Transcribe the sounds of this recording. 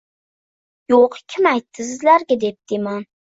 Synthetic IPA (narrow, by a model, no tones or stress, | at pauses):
joqkʲʰɪmajt̪ʰːɪs̬ɪzlaɾɡʲad̪ep̚d̪̥ɪman